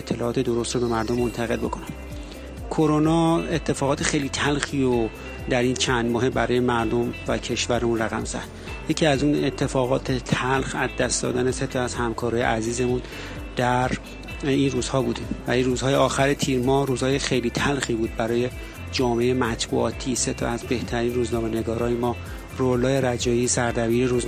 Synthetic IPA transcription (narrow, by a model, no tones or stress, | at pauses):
et̪ʰːe̞lɒːɒːt̪ʰed̪o̞ɾo̞st̪ro̞be̞mæɾd̪o̞mːo̞nt̪ʰæɣe̞lbo̞kʰo̞næm | kʰo̞ɾo̞nɒːe̞t̪ʰːe̞fɒːɣɒːt̪ʰexe̞jliːt̪ʰælxiːɾo | d̪æɾiːnt͡ʃʰænd̪mɒːɦe̞bæɾɒːje̞mæɾd̪o̞mvæ̰cʰe̞ʃvæɾemunræɣæmzæ̰hd̪̥ | je̞cʰiːæzune̞t̪ʰːe̞fɒːɣɒːt̪ʰet̪ʰælxæzd̪æst̪d̪ɒ̰ːd̪æneset̪ʰɒæz̥hæmkʰɒːɾɒːje̞̰ʔæziːze̞mun | d̪̥æɾ | inruːz̥hɒːbuːd̪imvæliɾuːzhɒːjeɒːxæɾet̪ʰiːɾmɒːhɾuːzhɒːjexe̞jliːt̪ʰælxiːbuːd̪̚bæɾɒːje̞ | d͡ʒɒːmeejemæt̪ʰbṵʔɒ̰ːt̪ʰiːse̞t̪ʰɒæzbe̞ht̪ʰæɾiːnruːznɒːme̞neɡɒːɾɒːjemɒː | ɾolːɒːjeɾæd͡ʒɒːjiːsæɾd̪æbiːɾeɾuz